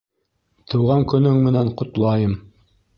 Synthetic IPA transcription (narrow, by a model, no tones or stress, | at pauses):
t̪ʰɤ̆wʁɑŋkɵ̆nɵŋmɘ̆næɴqŏt̪lˠɑjɤm